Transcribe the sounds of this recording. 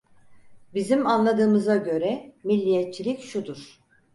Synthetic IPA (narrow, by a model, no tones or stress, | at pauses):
bizimanlˠad̪ɯːmɯzaɟø̞ɾɛmilʲːijɛt̪̚t͡ʃʰilʲicʃud̪uɾ̥